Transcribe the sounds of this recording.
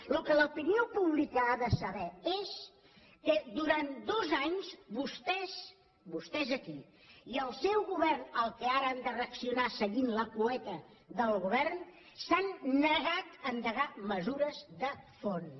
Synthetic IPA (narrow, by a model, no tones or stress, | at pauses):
lukələupiniopuβlikəaðəsəβɛes | kəd̪uɾant̪d̪ozaɲzbust̪ɛz | bust̪ɛzəki | iəlˠsɛwɣuβɛrnəlˠkəaɾəand̪əreəksiunasəɣinləpuɛt̪ə | ðəlˠɣuβɛrn | sanːəɣat̪ənd̪əɣaməzuɾəzðəfon